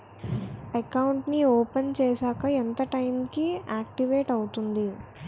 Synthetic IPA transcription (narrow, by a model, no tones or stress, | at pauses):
ɐkɐwuɳʈnioːpɐnt͡ʃɛːʃaːkɐent̪ɐʈɐjmkiaːk̚ʈiʋeːʈɐwut̪und̪i